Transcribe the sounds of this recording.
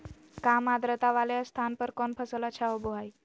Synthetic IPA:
kamad̪ɾət̪aʋaljast̪ʰanpəɾkɔnpʰəsəlat͡ɕʰaoboɦaj

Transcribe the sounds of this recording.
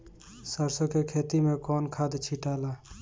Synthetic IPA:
səɾsõkekʰeːt̪imẽkɔːnkʰaːd̪t͡ʃʰiʈaːlaː

